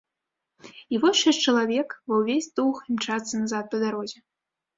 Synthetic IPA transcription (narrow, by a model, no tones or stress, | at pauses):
ivɔst͡ʃɛt͡ʂɐlˠavʲɛkbɐwvʲesʲd̪uximt͡ʂat̪sɐnazat̪̚pɐd̪aɾɔzʲɛ